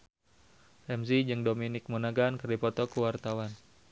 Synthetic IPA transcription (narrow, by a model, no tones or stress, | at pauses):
rɛms̬id͡ʒɨŋdominɪk̚monaɡankɨrdipɔt̪ɔkuwart̪awan